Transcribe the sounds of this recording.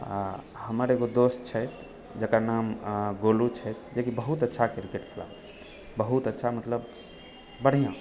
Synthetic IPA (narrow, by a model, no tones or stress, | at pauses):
a̰ | həməɾeɡod̪ost͡ʃʰəjt̪ | d͡ʒəkanamɡolut͡ʃʰəjt̪d͡ʒekibəɦut̪ətːʃʰakeɾkeʈkʰela̰bət͡ʃʰɛ̥t̪ | bəɦut̪ətːʃʰamət̪ləb | bəɽ̤ijã